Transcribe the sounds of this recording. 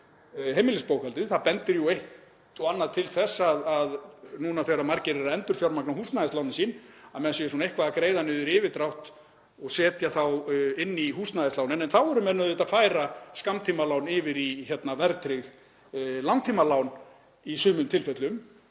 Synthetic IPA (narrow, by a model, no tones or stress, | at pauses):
ɦejmɪlɪspoːwkɛlt̪ɪðθapɛnt̪ɪɾjuejht̪ | ɔanːaðt̪ʰɪlθɛsːaðaðnuːnaθeɾamaɾcɪɾɛɾaɛnt̪ʏɾ̥fjawɾmaknahuːst̪naðɪslawnɪnsiːnaðmɛðsɛjʏsunejhkʰvaðakɾeːjðanʏːðʏɾɪːvɪt̪ɾawht̪ | ɔɣsɛːt̪jaθawɪnːiɦuːst̪naðɪstlaːwnɪnɛnθawɛɾʏmɛðnœðɪt̪afaːjɾaskamt̪ʰiːmalawnɪːvɪɾiçɛt̪navɛɾt̪ɾɪɣð | lawnt̪ʰiːmalawn | isʏːmʏmt̪ʰɪlfɛt̪lʏm